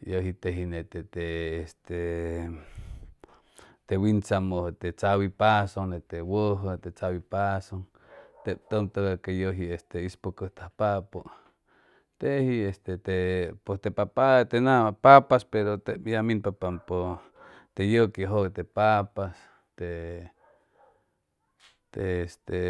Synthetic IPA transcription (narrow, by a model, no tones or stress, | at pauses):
joɦit̪eɦinet̪et̪eːst̪e | t̪ewint͡samohot̪et͡sawipasoŋnet̪ewoɦət̪et͡sawipasoŋ | t̪ep̚t̪ont̪oɣakejoɦiest̪eispokoht̪ahpaʔpoʔ | t̪ehiest̪et̪epost̪epapat̪enapapaspeɾot̪eʔjaminpapampo | t̪ejokeɦot̪epapas | t̪e | t̪est̪e